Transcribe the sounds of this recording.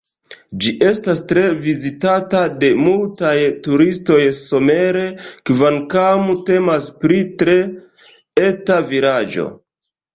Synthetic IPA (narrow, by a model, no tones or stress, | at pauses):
d͡ʒiʔe̞stastɾe̞vizitatade̞multajtuɾisto̞jso̞me̞ɾe̞kvaŋkamute̞maspɾitɾe̞ | e̞taviɾad͡ʒo̞̰